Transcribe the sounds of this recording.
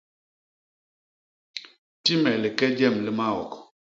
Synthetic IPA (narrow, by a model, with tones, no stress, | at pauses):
ti˦mɛ˨lɪ˨kɛ˦d͡ʒɛ˦˨mli˦ma˦ɔ̰˨k